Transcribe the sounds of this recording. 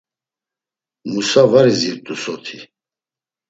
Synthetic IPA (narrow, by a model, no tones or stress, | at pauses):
musavaɾiziɾt̪ʼusɔt̪ʰi